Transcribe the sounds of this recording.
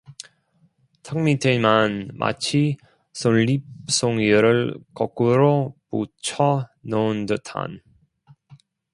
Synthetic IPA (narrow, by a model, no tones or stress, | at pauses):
tʰaŋmitʰemanmʔa̰t͡ɕʰi | sonːip̚s͈oŋiɯɾɯɭkʌk͈uɾoput͡ɕʰʌnʌndɯtʰa̰n